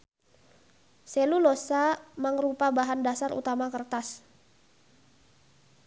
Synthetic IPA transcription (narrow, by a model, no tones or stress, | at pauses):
sɛlulosaməŋɾupabaɦandasarṵt̪amakərt̪as